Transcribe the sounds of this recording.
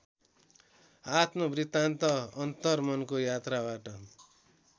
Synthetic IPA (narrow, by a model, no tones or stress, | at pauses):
at̪mobrit̪ant̪ʌʌnt̪ʌrmʌnkojat̪rabaʈʌ